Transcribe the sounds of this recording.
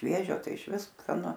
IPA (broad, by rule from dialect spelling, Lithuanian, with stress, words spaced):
ˈʃʲʋʲiɛʒʲoː ˈtɐɪ ɪʃʲˈʋʲɪs skɐˈnʊ